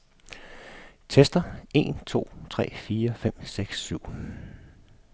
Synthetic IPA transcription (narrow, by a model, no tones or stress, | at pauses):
t͡sʰesd̥ɐe̝nt͡sʰo̝̰ːt͡sʰʁɛ̰ːfiːɐfem̰seɡ̥sːyʊ̰